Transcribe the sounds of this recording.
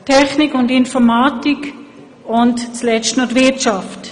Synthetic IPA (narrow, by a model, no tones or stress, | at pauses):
tʰɛχnikʊndɪnfɔmaːtik | ʊntt͡slɛt͡ʃtnotʋɪtt͡ʃaft